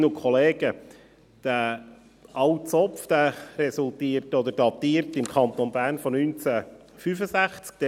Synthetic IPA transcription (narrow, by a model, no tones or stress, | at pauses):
nukʰχɔleːɡ̥ə | d̪̥ə | ɑwtt͡sɔfd̪̥æɾɛsult̪iːərtɔd̪əd̥ɑt̪iːəɾtɪmkʰχɑnt̪onbæːɾnfɔnynt͡sæ | fyfəsæχt͡sk̚d̪̥ɛ